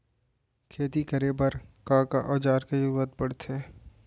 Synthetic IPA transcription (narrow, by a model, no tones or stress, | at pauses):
kʰeːt̪ikəɾebɐɾkãːkaʔɔːd͡ʒaːɾked͡ʒɐɾuːɾət̪̚bɐɽ̤t̪eː